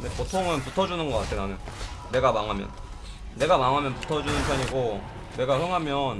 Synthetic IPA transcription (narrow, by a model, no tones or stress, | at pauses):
ndepotʰoŋɯnputʰʌd͡ʑunɯnɡʌk͈atʰenanɯːe̞ɡamaŋɦamjʌ̰nː | e̞ɡamaŋɦamjʌnputʰʌd͡ʑunɯnpʰjʌɲiɡo | ne̞ɡaɸɯŋɦamjʌn